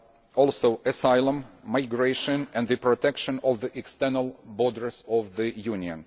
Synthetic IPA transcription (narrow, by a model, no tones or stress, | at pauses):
ɔlˠsoʊʔɨsaɪlˠə̃mːaɪɡɹeʃə̃nɛ̃nd̪ðɨpɹɔtʰɛkʃə̃nɔvðiʔɛkstɛ˞nəlˠbɔdəɹzɔvðɨjuniə̰̃n